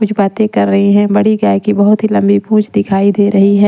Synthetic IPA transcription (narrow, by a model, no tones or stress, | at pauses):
kʊt͡ʃʰbaːt̪ẽkɐɾːɐɦiɦɛ̃bɐɽiɡaːjkibɐɦʊt̪ɦilɐ̃mbipũːt͡ʃʰd̪ɪkʰaːid̪eɾɐɦiɦɛ̃ː